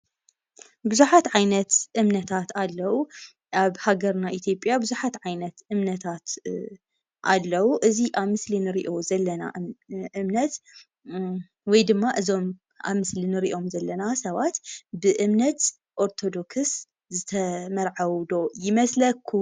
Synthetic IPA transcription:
bɨzuħat̪ʕajnɐt̪ʔɨmnɐt̪ʰat̪alːɐwu | ʔaβhaɡɐɾnaʔit̪ʰjo̞pʼjabɨzuħat̪ʕajnɐt̪ʔɨmnɐt̪ʰat̪ | ʔa̰lːɐwuʔɨziʔaβmɨslinɨɾḭʔo̞zɐlːɐna̰ʔɨmnɐt̪ | wɔjd̪ɨmːaʔɨzo̞m | ʔa̰βmɨslinɨɾiʔo̞mzɐlːɐnasɐβat̪bɨʔɨmnɐt̪ | ʔo̞ɾt̪ʰo̞d̪o̞kɨs | zɨt̪ʰɐmɐɾʕawd̪o̞jɪmɐslɐkʰːu

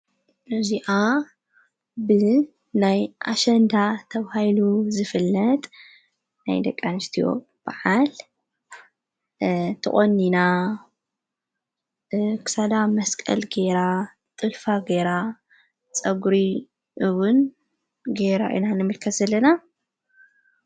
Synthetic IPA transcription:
ʔɨziʔa | bɨ | najʔa̰ʃɐnd̪at̪ʰɐβhajluzɨfɨlːɐt̪ʼ | na̰jd̪ɐkʼːanɨst̪ʰijo̞̰ | b̥a̰ʕal | t̪ʰɨχʼonːina | kʰɨ̥sad̪amɐskʼɐ̰lɡeɾa | t̪ʼɨlfaɡeɾa | t͡sʼɐɡuɾi | ʔɨwʊn | ɡeɾa̰ʔḭnanɨmɨlkʰɐt̪zɐlːɐna

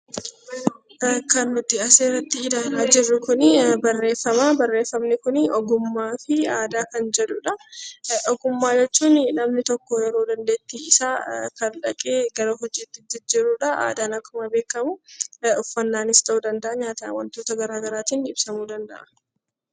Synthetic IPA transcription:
kɐnːʊd̪ɪɐseːɾɐt̪ːɪɪd̪aːlaːd͡ʒɪrːʊkʊnɪbɐrːe̞ːfːɐmaːbɐrːe̞ːfːɐmnɪkʊnɪɔɡʊmːaːfɪaːd̪aːkɐnd͡ʒɛᶑʊᶑɐ | ɔɡʊmːaːd͡ʒɛt͡ʃːuːnnɐmnɪt̪ɔkːɔjɛɾo̞ːd̪ɐnd̪e̞ːt̪ːiːɪsaːkɐnᶑɐkʼeːɡɐɾoːɦɔd͡ʒːiːt̪ːɪd̪ɪd͡ʒɪɾːuːᶑɐʔa̰ːd̪aːnɐkːʊmɐbe̞ːkːɐmʊʊfːɐnːaːnɪsd̪ɐuːd̪ɐnd̪ɐʔɐɲaːt̪ɐɐwɐnt̪oːt̪ɐɡɐɾaːɡɐɾaːt̪iːnɪbsɐmuːd̪ɐnd̪ɐʔɐ

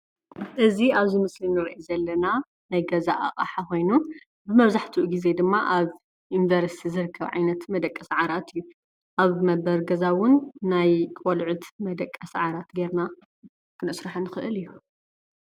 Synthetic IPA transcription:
ʔɨziaβzimɨslinɨɾiʔizɐlːɐna | najɡɐzaʔa̰χʼa̰ħako̞jnu | bɨmɐβzaħt̪ʰiʔuɡize̞d̪ɨmːaʔaβ | junvɐɾsi̥t̪ʰizɨɾɨkʰːɐβʕa̰jnɐt̪mɐd̪ɐkʼːɐsʕaɾat̪ʰɨjːu | ʔaβmɐbɐɾɡɐzawʊnːajkʼolʕʊt̪mɐd̪ɐkʼːɐsʕaɾat̪ɡeɾna | kʰɨnɨsɾɨħɐnːɨxɨʔɨlɨjːu

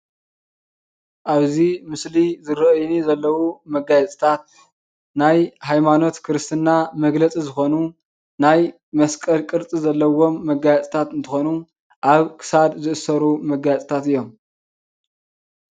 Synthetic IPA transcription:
ʔaβzimɨslizɨɾɐʔjnizɐlːɐwumɐɡajɛt͡sʼt̪ʰat̪̚ | najhajmano̞t̪kʰɨɾɨst̪ʰɨnːamɐɡlɐt͡sʼizɨxo̞nu | naj | mɐskʼɐlkʼɨɾt͡sʼizɐlːɐwo̞mːɐɡajɛt͡sʼt̪ʰat̪ɨnt̪ʰɨxo̞nu | ʔaβkʰɨ̥sad̪zɨʔɨsɐɾumɐɡajɛt͡sʼt̪ʰat̪ɨjːo̞m

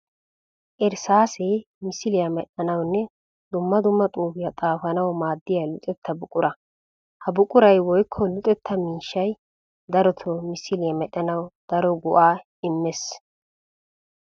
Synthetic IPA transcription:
ʔɛɾsaːseː | mɪsɪlɪjɐmɛɗɐnɐwnːɛ | d̪ʊmːɐd̪ʊmːɐt̪ʼuːfɪjɐt̪ʼaːfɐnɐwmaːd̪ːɪjɐlʊt̪ʼɛt̪ːɐbʊkʼʊɾɐ | hɐbʊkʼʊɾɐjwɔjkʰːɔlʊt̪ʼɛt̪ʰːɐmiːʃːɐj | d̪ɐɾɔt̪ʰɔmɪsɪlɪjɐmɛɗɐnɐwd̪̥ɐɾɔɡʊʔaː | ɪmːɛs

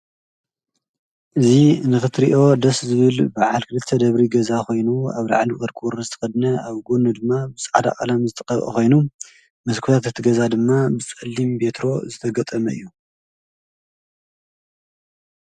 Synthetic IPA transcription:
ʔɨzinɨxɨt̪ʰɾiʔo̞d̪ɐszɨβɨlbaʕalkʰɨlɨt̪ʰːɐd̪ɐβɾiɡɐzakʰo̞jnuaβla̰ʕaliʔʼɐɾkʼuɾɐzɨt̪ʰɐ̥xɐd̪nɐaβɡunud̪ɨmːabɨsʼaʕad̪a̰ʔʼalamzɨt̪ʼɐkʼɐβʼɐ̰xo̞jnu | mɐzkʰuɾat̪ɨt̪ʰɨɡɐzad̪ɨmːabɨt͡sʼɐlːimbe̞t̪ʰɾo̞zɨt̪ʰɐɡɐt̪ʼɐmɐɨ̰jːu

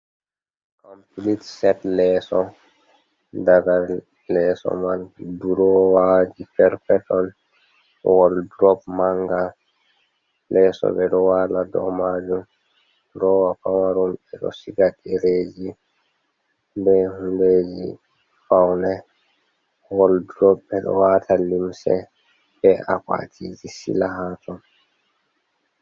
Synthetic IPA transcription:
ʔampulitsɛtlɛːsɔ | daɡa | lɛsɔ̰manduɾɔwad͡ʒipɛɾfɛtɔn | wɔldɾɔpmaŋɡa | lɛsɔ̰bɛdɔwaladɔ̰mad͡ʒum | ɾɔwafawaɾumbɛɗɔ̰siɡaɗiɾeːd͡ʒi | bɛhunded͡ʒi | fawnɛ | wɔldɾɔpbɛɗɔ̰watʰalimsɛ̰ | bɛʔa̰ka̰tʰiːd͡ʒisḭlaɦatʰɔn

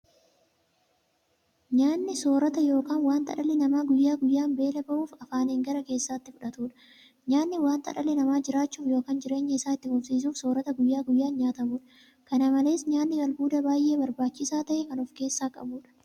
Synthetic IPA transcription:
ɲaːnːɪso̞ːɾɐt̪ɐjo̞ːkaːnwaːnt̪ɐ̰ᶑɐlɛnɐmaːɡʊjːaːɡʊjːaːnbe̞ːlɐbɐʔuːfɐfaːneːŋɡɐɾɐke̞ːsːaːt̪ːɪfʊᶑɐt̪uːᶑɐ̥ | ɲaːnːɪwaːnt̪ɐ̰ᶑɐlɛnɐmaːd͡ʒɪɾaːt͡ʃːuːfjoːkaːnd͡ʒɪɾe̞ːɲːɐɪsaːɪt̪ːɪfʊfsiːs̬uːfsoːɾɐt̪ɐɡʊjːaːɡʊjːaːnɲaːt̪ɐmuːᶑɐ̥ | kɐnɐmɐle̞ːsɲaːnːɪɡɐlbuːd̪ɐbaːjʔe̞ːbɐɾbaːt͡ʃːɪsaːt̪ɐʔɛkɐnʊfke̞ːsːaːkʼɐ̰buːᶑɐ̥

